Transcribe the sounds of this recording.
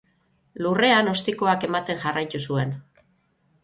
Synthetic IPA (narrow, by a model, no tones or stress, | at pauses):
lure̞ano̞st̪iko̞ake̞mat̪e̞ŋʝarajt̪usue̞n